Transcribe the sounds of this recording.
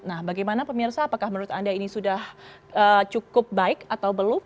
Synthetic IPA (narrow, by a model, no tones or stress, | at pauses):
nahbaɡajmanapəmirsaːpakahmənuɾʊt̪andainisudah | ət͡ʃukʊp̚baɪkat̪awbəlʊ